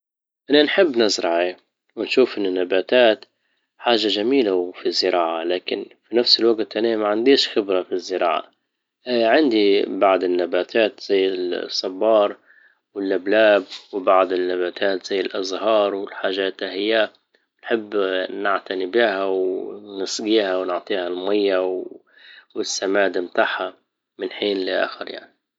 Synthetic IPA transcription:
ʔanːanħɪbːnazɾˤɑʕa | wɪnʃuːfʔɪnːɪnːabaːt̪aːt̪ | ħaːʒaʒamiːlawfizːɪɾˤɑːʕalaːkɪnfinafsɪlwaɡt̪ʔanamaʕand̪iːʃxɪbɾafizːɪɾˤɑ̰ːʕa̰ | ʕɪnd̪ibaʕd̪ɪnːabaːt̪ʰaːt̪z̥ajːɪsˤːɑbːɑːɾˤ | wɪlʔablaːbwɪbaʕd̪ɪnːabaːt̪ʰaːt̪z̥ajːɪlʔɑzhɑːɾˤwɪlħaːʒaːt̪ahɪjːa | wnħɪbːnaʕt̪anɪbihawnɪsˤɡiːhawnʊʕt̪ˤiːhalmajːaw | wɪsːamaːd̪mt̪aːħha | mɪnħiːnlɪʔa̰ːxɪɾja̰ʕni

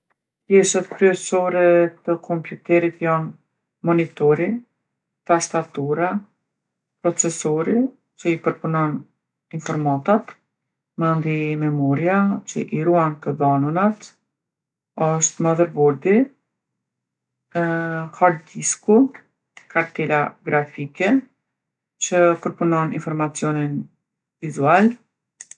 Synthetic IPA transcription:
pjɛʃat̪kɾyɛsɔɾɛt̪əkʰɔmpjut̪ɛɾit̪jan | mɔnit̪ɔɾi | t̪ast̪at̪uɾa | pɾɔt͡sɛsɔɾi | t͡ʃəipəɾpunɔn | infɔɾmat̪at̪ | mənd̪imɛmɔɾiat͡ɕə̰ʔiɾuant̪əðanunat̪ | əʃt̪maðəɾbɔɾd̪i | haɾd̪isku | kaɾt̪ɛlaɡɾafikɛ | t͡ɕəpəɾpunɔninfɔɾmat͡siɔnin | vizual

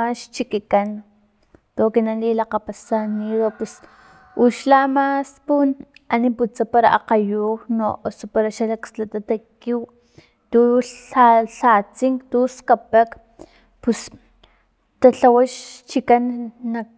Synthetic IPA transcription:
aʃt͡ʃikikan | t̪okinanlilaqapasaniðopus | uʃlamaspunaniput͡sapaɾaʔa̰qajuno̰ʔosopaɾaʃalakslat̪at̪akiw | t̪uaɬat͡siŋkt̪uskapak | pus | t̪aɬawaʃt͡ʃikanːak̚

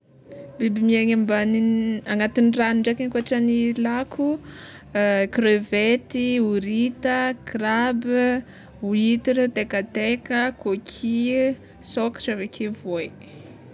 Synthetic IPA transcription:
bibimieŋambaniaŋɡat̪iniraniɳɖ͡ʐakenkuaʈ͡ʂanilakʰu | krevet̪iuɾit̪əkrab | uit̪iɾt̪ekat̪ekəkokʰi | soki̥ʈ͡ʂavekʰevoj

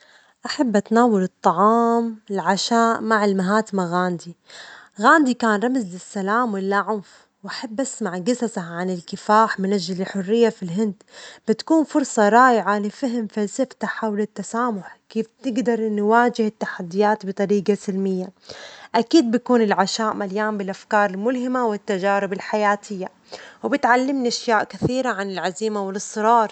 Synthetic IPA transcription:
ʔaħabːʔat̪naːwalɨt̪ˤːɑʕɑːmɪlʕaʃaːʔmaʕɪlmaɦaːt̪maɣaːnd̪iɣaːnd̪ikaːnɾˤɑmzlɪsːalaːmwɪlːaʕʊnf | wʔaħabːʔasmaʕɡɪsazaʕanɪlkɪfaːħmɪnʔaʒːalɪlħʊrːɪjːafilɦɪnd̪b̥ɪt̪kuːnfʊɾˤsˤɑɾˤɑːʔɪʕalɪfaɦɪmfalsɪft̪aħawlɪt̪ːasaːmʊħkeːft̪ɪɡd̪ɑɾˤnwaːd͡ʒɪhɪt̪ːaħad̪ːɪjaːt̪bɨt̪ˤɑɾiːɡasɪlmɪjːaʔakiːd̪̚bakuːnɪlʕaʃaːʔmaljaːmbɪlʔafkɑːɾˤɪlmʊlɦɪmawɪt̪ːad͡ʒaːɾɪbɪlħajaːt̪ʰɪjːa | wbɪt̪ʕalːɪmniʔaʃjaːʔkɪθiːɾaʕanɪlʕaziːmawɪlɨsˤːɨɾˤɑːɾˤ

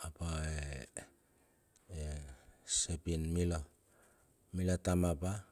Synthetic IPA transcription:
apae | esepinmilo | milatamapa

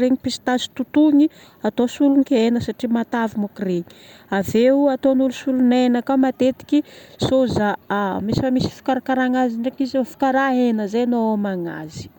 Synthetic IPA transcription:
reɲipisi̥t̪asi̥t̪ut̪uɲi | at̪osuluŋkʲenəsaʈ͡ʂimat̪avimokreɲi̥ | aveuat̪onulusulunenakamat̪et̪i̥kʲisozamisifamisi̥fi̥kaɾakaɾaŋaziɳɖ͡ʐekizfi̥kaɾaenəzenoamaŋa̰zi̥

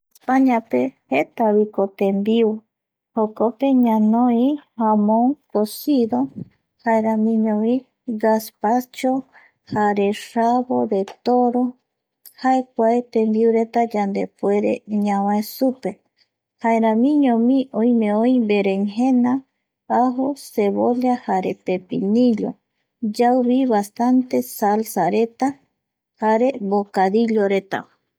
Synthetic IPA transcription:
paɲãpehet̪aβikot̪embiw | hokopeɲãnoihamõŋkosiðo | haeɾãmĩɲõmĩ | ɡaspat͡ʃo | haɾeʃaβodet̪oɾo | haek̚ʷaet̪ẽmbiuɾet̪ad͡ʒand̪epwe̞ɾḛɲãwãesupe̞ | haeɾãmĩɲõmĩõjmẽõjbeɾeŋɦẽnã | aɦoseβoʎahaɾepepinĩʎo | d͡ʒawβiβast̪ant̪e̞salsaɾet̪a | haɾebokaðiʎoɾet̪a̰

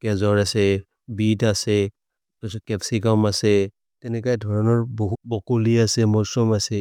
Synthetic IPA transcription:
kɛzɔɹasɛ | bitasɛ | ɔskɛpsikɔmasɛ | tɛnɛkajɛdʱɔɹɔnɔɹboɦubɔkoliasɛmɔɹsɔmasɛ

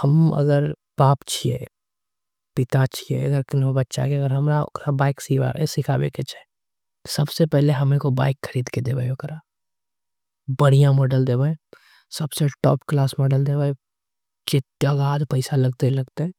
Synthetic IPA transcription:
hɐmɐ̰ɡəɾ | b̥aːpt͡ʃʰiḛ | pɪt̪at͡ʃʰiḛɐɡəɾkɪnbɐtːʃa̰keəɡəɾɦɐmɾao̰kɾabaːɪksiʋa̰esɪkʰabḛket͡ʃʰae | sɐbsepɛɦleɦɐmẽkobaːɪkxʰəɾiːd̪ked̪eːbaeokɾa | bɐɽijãmɔːɖəld̪eːbaẽ | sɐbseʈɔ̰ːpklaːsmɔːɖəld̪eːbae | t͡ʃɪt̪jaɡaːd̪pɐɪsalɐɡt̪elɐɡt̪eɦɛ̃ː

